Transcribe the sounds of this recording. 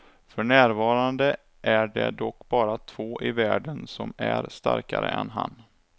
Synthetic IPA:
fœɳæːɾvɑːɾand̪ə | ʔæɖɛd̪ɔkːbɑːɾat̪ʰv̥oːʔɪvæːɖənsɔmæɾst̪a̰ɾkaɾə̰ɛnɦan

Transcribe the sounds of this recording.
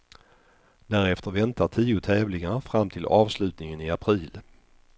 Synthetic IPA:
d̪̥æːɾɛft̪əɾvɛnt̪ʰaʈʰiːʊt̪ʰɛːvlɪŋafɾamt̪ʰɪlʔɑːvslʉ̟ːt̪nɪŋənɪapʰɾiːl

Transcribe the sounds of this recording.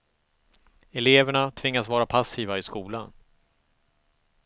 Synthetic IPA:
ɛleːvəɳat̪ʰvɪŋːasvɑːɾapʰasiːvaɪskuːlan

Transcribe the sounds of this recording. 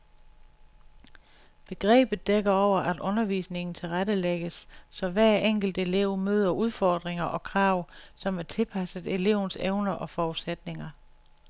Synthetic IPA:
b̥e̝ɡ̥ʁɛ̰ːb̥ð̩ˠd̥eɡ̥ɐɒʊ̰ɐʔæd̥ʔɔ̽nɐʋḭːsne̝ŋn̩t͡sʰe̝lʁaɾəleɡ̥əsːɒ̽ʋæɐ̰eŋ̰ɡ̥l̩d̥e̝le̝ʊ̰møːð̞ˠɐuðˠfɒːd̥ʁeŋɐʔɒ̽kʰʁɑ̈ːʊsɒ̽mæɐt͡sʰe̝lpʰæsəð̩ˠe̝le̝̰ʊ̰n̩seʊnɐʔɒ̽fɒːud̥sed̥ne̝ŋɐ

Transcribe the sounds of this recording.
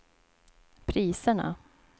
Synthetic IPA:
pʰɾiːsəɳa̰

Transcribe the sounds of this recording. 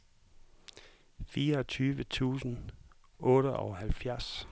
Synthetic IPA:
fiːɐɒ̽t͡sʰyːʋət͡sʰṵːsn̩ | ʔɔ̽ːɾəʔɒhælfjæɐs

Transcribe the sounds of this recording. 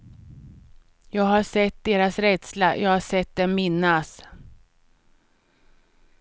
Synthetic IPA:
jɑːɡɦaʂɛt̪̚d̪eːɾasɾɛd̪slajʔɑːɡhaʂɛt̪̚d̪ɛnmɪnːas

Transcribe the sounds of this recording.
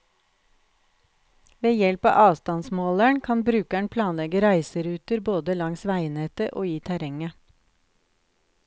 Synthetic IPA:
ʋeːjɛlpɑ̰ːʔɑːʋst̪ɑnsmoːlæɳkʰɑnbɾʉːkæɳpʰlɑːnlɛɡəɾæɪsəɾʉːt̪əɾboːd̪əlɑŋsʋæɪnet̪əʔo̰ːiːt̪ʰæɾɛŋə

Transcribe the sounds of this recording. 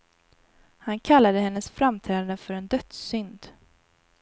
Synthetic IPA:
hankʰalːad̪əɦɛnːəsfɾamt̪ʰɾɛːd̪and̪əfœɾɛnd̪œt̪sʏnd̪

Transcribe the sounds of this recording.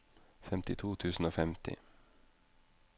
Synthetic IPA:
fɛmt̪ɪt̪ʰuːt̪ʰʉːsn̩oːfɛmt̪ɪ̰

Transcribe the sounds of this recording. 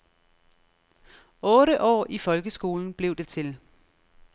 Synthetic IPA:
ɔ̽ːɾəʔɒ̰ːifɒ̽lɡ̥əsɡ̥o̝̰ːln̩b̥le̝ʊd̥e̝t͡sʰe̝l

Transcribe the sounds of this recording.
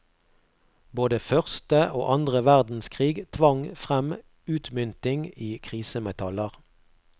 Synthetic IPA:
boːd̪əfœʁst̪əo̰ːʔɑnd̪ʁəʋæʁd̪n̩skʰʁiːɡt̪ʰʋɑŋfʁɛm | ʉːt̪mʏnt̪ɪŋiːkʰʁiːsəmɛt̪ʰɑləʁ

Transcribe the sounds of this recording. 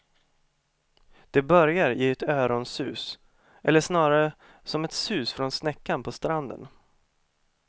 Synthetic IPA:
d̪̥ɛbœɾjaɾɪɛt̪øːɾɔnsʉ̟ːs | ʔɛlːəʂnɑːɾaɾə | sɔmɛt̪sʉ̟ːsfɾɔnsnɛkːanpʰɔst̪ɾand̪ə̰n

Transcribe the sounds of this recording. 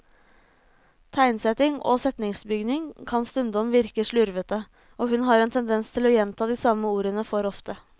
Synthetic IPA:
t̪ʰæɪnsɛt̪ɪŋo̰ːsɛt̪nɪŋsbʏɡnɪŋkʰɑnst̪ʉnd̪ɔmʋɪɾkəʂɭʉɾʋət̪ə | oːɦʉnɦɑɾɛnt̪ʰɛnd̪ɛnst̪ʰɪlɔjɛnt̪ʰɑːd̪iːsɑmːəuːɾənəfɔɾɔft̪ə

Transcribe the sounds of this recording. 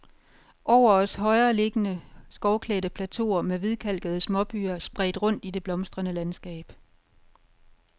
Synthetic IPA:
ʔɒʊ̰ɐɒ̽sɦɒ̽ɪɐːle̝ɡ̥ənəsɡ̥ɒʊkʰlɛːdəpʰlæt͡sʰo̝̰ːɐmeʋiðˠkʰæl̰ɡ̥əð̞̩ˠəsmɒ̽b̥y̰ːɐsb̥ʁɛ̰ːd̥ʁɔ̽n̰d̥ide̝b̥lɒ̽msd̥ʁɐnəlænsɡ̥ɛ̰ːb̥

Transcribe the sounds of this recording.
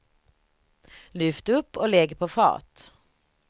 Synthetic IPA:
lʏft̪əɵpːɔlɛɡpʰɔfɑ̰ːt̪

